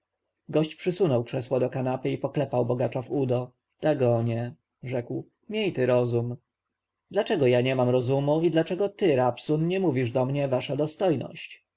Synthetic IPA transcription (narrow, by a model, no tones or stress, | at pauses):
ɡɔɕt͡ɕpʂɘsunɔwkʂɛswɔd̪ɔkanapɘipɔklɛpawbɔɡat͡ʂavud̪ɔ | d̪̥aɡɔɲɛ | ʐɛkw | mʲjejt̪ɘɾɔzum | d̪lat͡ʂɛɡɔjaɲɛmamɾɔzumuid̪lat͡ʂɛɡɔt̪ɘɾapsunɲɛmuvʲiʐd̪ɔmɲɛvaʂad̪ɔst̪ɔjnɔ̰ɕt͡ɕ